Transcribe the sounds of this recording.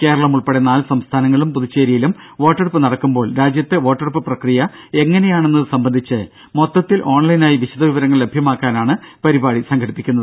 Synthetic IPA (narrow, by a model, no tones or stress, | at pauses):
ke̞ːɾɐɭɐmuɭpeɽenaːlsɐmst̪ʰaːnɐŋːɐɭumpuðut͡ɕːe̞ːɾijilum | ʋo̞ːʈːɐrupːɨnɐɽɐkːumbo̞ːɭɾaːd͡ʑjɐt̪ːe̞ʋo̞ːʈːɐɽupːɨprɐkrijɐ | e̞ŋːɐne̞jaːɳe̞nːɐðɨsɐmbɐnd̪ʱit͡ɕːɨ | mo̞t̪ːɐt̪ːilʔo̞ːɳlɐjnaːjiʋiɕɐd̪ɐʋiʋɐɾɐŋːɐɭle̞bʱjɐmaːkːaːnaːɳɨpɐɾibaːɽisɐŋɡʱɐɽipːikʲːunːɐðɨ